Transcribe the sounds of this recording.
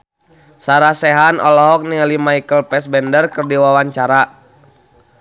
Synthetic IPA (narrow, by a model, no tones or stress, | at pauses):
saɾasɛɦanɔlɔɦɔk̚nilimaikəlpɛsbɛndərkərdiwawaɲt͡ʃaɾa